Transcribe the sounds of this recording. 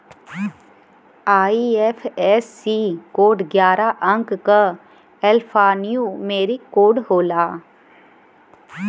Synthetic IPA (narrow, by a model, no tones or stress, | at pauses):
aːiɛfʰɛsːiːkoːɖɡjaːɾaʔə̃ŋkka | ɛlpʰaːnijumeːɾikoːɖɦoːlaː